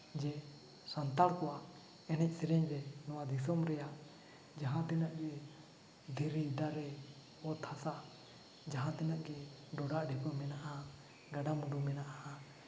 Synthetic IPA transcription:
d͡ʒɛ | sant̪aɽkɔwaʔ | ɛnɛc̚ˀsɛɾɛɲɾɛnɔwad̪is̬ɔmɾɛjaʔ | d͡ʒaɦãt̪ɛnaʔɡɛ | d̪ɛɾid̪aɾɛ | ɔt̪ʰːasaʔ | d͡ʒaɦãt̪ɛnaʔɡɛ | ɖɔɖaʔɖʱɛkumɛnaʔa | ɡaɖamuɖumɛnaʔaʔa

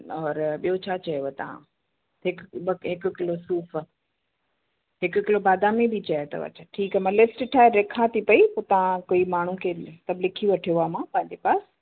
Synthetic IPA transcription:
ɔːɾɓijot͡ɕʰat͡ɕɐjoet̪ɐ̰ʋ̤ã̰ | ɦɪkɓɦɪkʊ̆kɪlosuːf | ɦɪkʊkɪlobaːd̪ʱamẽbʱit͡ɕɐjot̪ɐ̰ʋɐ̰t͡ɕəʈʰiːkɛmãlɪfʈʈʰaːelɪkʰat̪ʰipɐipoːt̪ɐʋ̤ãkoimaːɳ̤ũkʰeːt̪ɐblɪkʰiʋɐʈʰijamãpɐ̃ɦɪ̃ɲd͡ʑepaːs

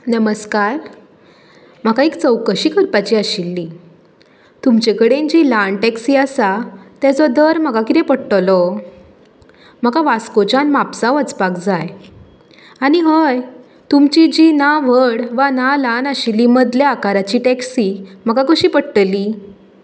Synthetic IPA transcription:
nəməskaɾ | m̤akaikt͡səwkəɕiːkəɾpat͡ɕiːaɕilːi | t̪umt͡ɕekəɽend͡ʑilanʈɛksiːəsat̪jat͡sɔd̪əɾm̤akakit̪ẽpəɽʈəlɔ | m̤akaʋaskot͡ɕanmapd͡zaət͡spakd͡zaj | aɽ̃iɦəj | t̪umt͡ɕid͡ʑinaʋəɽʋanalanəɕilːiməd̪leakaɾat͡ɕiːʈɛksim̤əkakəɕiːpəɽʈəliː

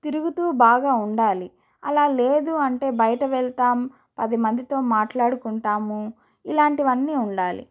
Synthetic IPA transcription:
t̪iɾuɡut̪uːbaːɡaːuɳɖaːli | ɐ̰laːle̞ːd̪uɐɳʈe̞ːbɐjɐʈɐʋɛɭt̪aːm | pɐd̪imɐnd̪it̪o̞ːmaːʈlaːɽukuɳʈaːmu | ilaːɳʈiʋɐnːiːuɳɖaːlḭ

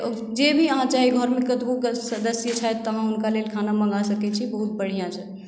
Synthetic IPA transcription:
d͡ʒebʱiəɦãt͡ʃaɦiɡʱɔɾmekət̪boksəd̪əsjət͡ʃʰɛt̪ːəɦãunkalelkʰanamə̃ŋɡasəkɛt͡ʃʰibəɦut̪̚bəɽ̤ijãt͡ʃʰɛ

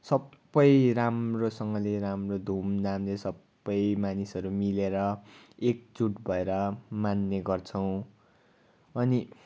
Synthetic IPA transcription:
sʌbːʌjramrosʌŋɡʌleɾamrod̪ʱumnamlesʌbːʌjmanisʌɾumileɾʌek̚d͡zuʈbʱʌeɾʌmanːeɡʌrt͡sʰʌw̃ | ʌni

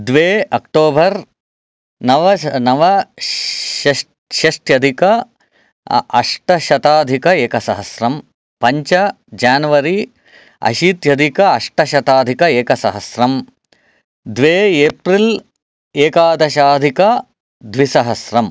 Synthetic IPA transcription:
d̪ʋeːɐkʈoːbʱɐɾ | nɐʋɐnɐʋɐ | ɐ | ʃɐʂʈjɐd̪ʱikɐ | ɐ̰ʂʈɐʃɐt̪aːd̪ʱikɐeːkɐsɐɦɐsɾɐm | pɐɲt͡ʃɐ | d͡ʒaːnʋɐɾi | ɐ̰ʃiːt̪jɐd̪ʱikɐɐʂʈɐʃɐt̪aːd̪ʱikɐeːkɐsɐɦɐsɾɐm | d̪ʋeːeːpɾil | eːkaːd̪ɐʃaːd̪ʱikɐ | d̪ʋisɐɦɐsɾɐm

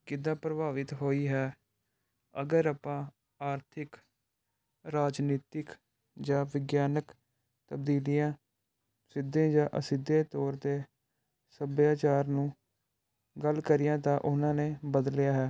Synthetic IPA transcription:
kɪd̪ãːpɾəbaːʋɪt̪ɦoːiːɦɛː | ə̰ɡəɾapãː | aːɾt̪ʰɪk | ɾaːd͡ʒniːt̪ɪk | d͡ʒãːʋɪɡjaːnək | t̪əbd̪iːlɪjãː | sɪd̪ẽːd͡ʒãːʔəsɪd̪ẽːt̪ɔːɾd̪eː | səbjaːt͡ʃaːɾnũː | ɡəlkəɾɪjãːt̪ãːʔʊnãːneːbəd̪əlɪjaːɦɛː

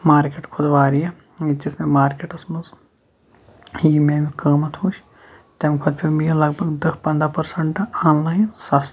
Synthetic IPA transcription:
maːɾkeʈkʰʊd̪ʋaːɾije | id͡ʒismemaːɾkeʈɐsmɐz | jimẽːmikɐːmɐt̪ʰuːt͡ʃ | t̪emkʰʊd̪̚pʰʲimilɐɡbʱɐɡd̪ɐkpɐ̃nd̪ɾaːpɐɾsɐɳʈɐaːnlaːjinsɐs

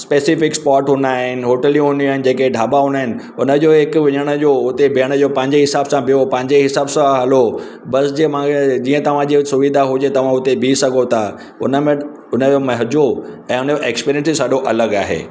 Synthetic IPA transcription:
speːsɪfɪkspɔːɾʈɦʊ̃nd̪aːɦɪnɪ̆ɦoːʈəlijũɦʊ̃nd̪iaːɪnɪ̆d͡ʑeːkeɖʱaːbaɦʊ̃naɦɪnɪ̆ | ʊnəd͡ʑoːɦɪkʊʋɪɲəɽ̃əd͡ʑoːʊt̪ebʱiəɽ̃d͡ʑopɐ̃ɦɪ̃ɲd͡ʑeɦɪsaːbsãbijopɐ̃ɦɪ̃ɲd͡ʑeɦɪsaːbsãɦɐlo | bɐsd͡ʑemãed͡ʑiːə̃t̪ɐʋ̤ãd͡ʑisʊʋid̪ʱaɦʊd͡ʑet̪ɐʋ̤ãʊt̪ebʱisɐɡʱot̪ʰa | ʊ̰nəmẽ | ʊnəd͡ʑomɐɦd͡ʑoɛ̃ːʊnəd͡ʑoʔeːkspiːɾijə̃nsisaɗoʔɐləɡa̰ːɦḛː

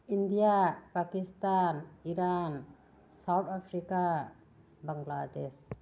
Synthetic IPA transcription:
indijapakistaniɾan | sawt̪ʰapʰɾika | baŋɡlades

